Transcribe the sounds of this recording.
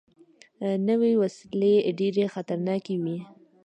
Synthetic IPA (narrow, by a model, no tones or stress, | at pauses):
nəwewasleɖeɾexat̪aɾnɑkewi